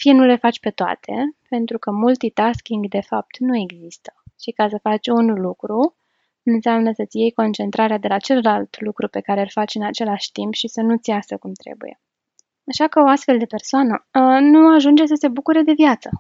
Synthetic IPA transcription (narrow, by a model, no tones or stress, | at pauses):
fijenule̞fat͡ʃʲpe̞t̪oa̰t̪ʰe̞̰pe̞nt̪ɾukəmult̪it̪askʲiŋɡd̪e̞fap̚t̪nue̞ɡzist̪ə̥ʃikas̬əfat͡ʃʲunlukɾu | nɨnseamnəsət̪sje̞jko̞nt͡ʃe̞nt̪ɾaɾead̪e̞lat͡ʃe̞ləlalt̪lukɾupe̞kaɾeɨlfat͡ʃʲɨnat͡ʃe̞laʃʲt̪impʃisənut̪sjasəkumt̪ɾḛbṵje̞̰ | aʃakəoast̪fe̞ld̪e̞pe̞rsoanənuaʒund͡ʒes̬əse̞bukuɾe̞d̪e̞vjat̪sə